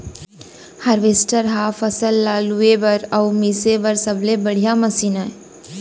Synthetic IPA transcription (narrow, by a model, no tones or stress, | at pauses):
hɐɾʋesʈəɾɦaːfɐsəlːaːluebɐɾɐʊmiːsebɐɾsɐblebɐɽ̤ijamɐsiːnaɛ